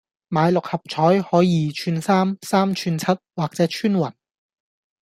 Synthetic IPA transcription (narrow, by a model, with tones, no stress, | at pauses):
maː˨˧jlʊ˨k̚hɐ˨p̚t͡ʃʰɔː˨˥jhɔː˨˥jiː˨˧t͡ʃʰyː˧nsaː˥msaː˥mt͡ʃʰyː˧nt͡sʰɐ˥t̚waː˨k̚t͡sɛː˨˥t͡ʃʰyː˥nwɐ̰˨˩n